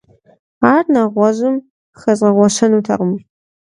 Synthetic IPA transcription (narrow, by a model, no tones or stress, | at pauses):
aːrnaʁʷɔʑɨm | xɐzʁɐʁʷɔʃɐnutʰɐ̰ʁəm